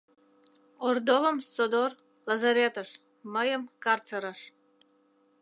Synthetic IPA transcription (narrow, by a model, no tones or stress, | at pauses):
ord̪oləmsod̪or | lɑzɑɾet̪əʃ | məjəmkɑrt͡səɾəʃ